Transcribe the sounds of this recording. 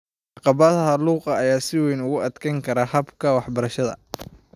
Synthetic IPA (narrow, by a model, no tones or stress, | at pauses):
ʕɑqɑβɐðɐɦɐluːqɑːjaːsɪwɛjnʊɣʊʔɐd̪kʰɐŋkʰɐɾahɐbkʰɐwɑħbɐɾɐʃɐðɐ̰